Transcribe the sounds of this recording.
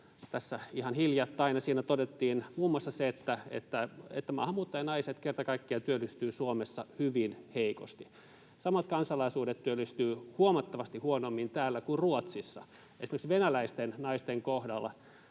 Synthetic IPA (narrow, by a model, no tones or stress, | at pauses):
t̪æsːæihɑnhiljɑt̪ːɑinɑsiːnæt̪ot̪et̪ːiːnmuːmuoɑsːɑseet̪ːæḛt̪ːæḛt̪ːæmɑ̰hɑmːuːt̪ːɑjɑnɑiset̪kert̪ɑkɑikːiɑt̪yølːˑyst̪yːsuomesːɑhyʋinheiko̰st̪i̥ | sɑmɑt̪kɑnsɑlɑisuːdet̪t̪yølːyst̪yːhuomɑt̪ːɑʋɑst̪ihuonomːint̪æːlːækurruot̪sisːɑ̰ | esimerksʋenælæist̪ennɑist̪eŋkohdɑlːɑ̰